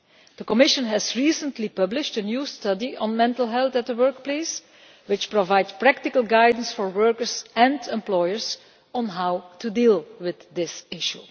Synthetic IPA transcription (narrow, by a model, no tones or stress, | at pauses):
d̪̥əkɔmɪʃə̃nɦɛzɹiːsə̃ntlipʌblɪʃtənjuːstʌdiə̃nmɛ̃ntəl̩ˠɦɛlˠt̪ɛt̚əwɜɹkpleːs | wɪt͡ʃpɹovaɪdspɹæk̚tɪkəlˠɡaɪdən̩sfɔɹwɜɹkəɹzɛ̃ndɛ̃mplɔjəɹs | ə̃nɦawtudiːlˠwɪd̪dɪsɪʃu